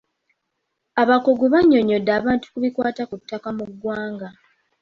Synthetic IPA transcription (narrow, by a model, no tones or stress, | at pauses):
aβakoɡuβaɲːo̞ɲo̞dːaːβaːntu̥kuβikwaːtakutːakamuɡːwaːŋɡa